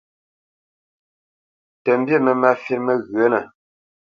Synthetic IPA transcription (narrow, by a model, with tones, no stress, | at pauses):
tə˨m˦bje˦˨mə˨ma˦fje˦t̚mə˦ɣɰə˨˦nə˨